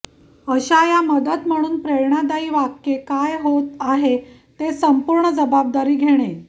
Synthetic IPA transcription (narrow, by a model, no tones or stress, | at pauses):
əɕajaməd̪ət̪m̤əɽ̃uːnpɾeɾɳ̃ad̪aiːʋakːekajɦot̪aɦe | t̪esəmpuɾɳəd͡zəbab̚d̪aɾiːɡʱeɽ̃e